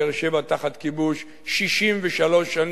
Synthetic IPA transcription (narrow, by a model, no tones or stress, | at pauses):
eʁʃevat̪aχat̪kibuʃ | ʃiʃimveʃalo̞ʃːan